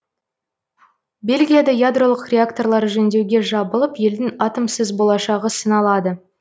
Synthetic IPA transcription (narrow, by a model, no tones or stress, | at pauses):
be̞lʲɡʲijad̪ɑjad̪ro̞lˠəqrʲe̞akt̪o̞rlˠɑɾəʒɵnd̪e̞wɡʲe̞ʒɑbəlˠəpje̞ld̪ɪŋɑt̪əmsəzbolˠɑʃɑʁəsənɑlˠɑd̪ə